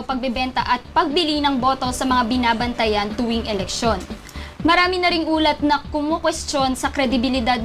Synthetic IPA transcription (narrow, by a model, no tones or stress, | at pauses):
pɐɡ̚bɛbɛnt̪ɐʔɐt̪̚pɐɡ̚bɪlinɐŋbo̞t̪o̞sɐmɐŋabɪnaːbɐnt̪ɐjɐnt̪ʊwiŋʔɛlɛkʃo̞n | mɐɾaːmɪnɐɾɪŋʔuːlɐt̪̚nɐkʊmokwɛst̪o̞nsɐkɾɛd̪ɪbɪlɪd̪ad̪̚